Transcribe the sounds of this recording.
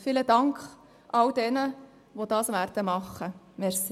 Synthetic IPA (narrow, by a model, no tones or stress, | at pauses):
fiːlədɑŋkχ | ʔɑldɛnə | ʋod̥̪ɑːsʋæːɾd̥əmɑχːə | mɛɾsi